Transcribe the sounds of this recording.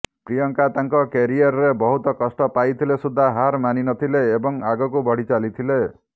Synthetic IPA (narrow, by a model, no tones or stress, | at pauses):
pɾijɔŋkat̪aŋkɔkeɾiɔɾɔɾebɔɦut̪ɔkɔsʈɔpajt̪ʰilesud̪ʱːaɦaɾmaninɔt̪ʰileːbɔŋaɡɔk̬ubʱɔɽ̤it͡ʃalit̪ʰile